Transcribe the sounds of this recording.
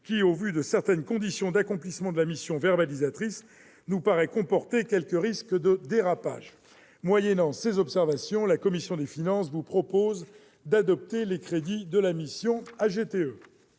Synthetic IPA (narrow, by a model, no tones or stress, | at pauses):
kʲiovyd̪əsɛʁt̪ɛnkɔ̃d̪isjɔ̃d̪akɔ̃plismɑ̃d̪əlamisjɔ̃vɛʁbalizat̪χis | nupaʁɛkɔ̃pɔʁt̪ekʲɛlkəʁiskəd̪əd̪eʁapa̰ːʒ | mwajɛnɑ̃sezɔpsɛʁvasjɔ̃lakɔmisjɔ̃d̪efinɑ̃svupχɔpoz | d̪ad̪ɔp̚t̪elekχed̪id̪əlamisjɔ̃aʒet̪eø